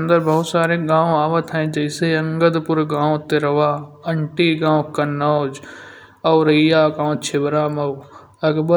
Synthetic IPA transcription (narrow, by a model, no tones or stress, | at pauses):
nd̪əɾbɐɦʊt̪saːɾeɡãːʋaːʋət̪ʰɛ̃d͡ʒɐɪseɐ̃ŋɡəd̪pʊɾɡãːʋõt̪eɾɐʋaːɐɳʈiːɡãːʋ̃kɐnod͡ʒ | ɐːɾɐijaːkãːõt͡ʃʰɪbɾaːmɐʋ | ɐkbə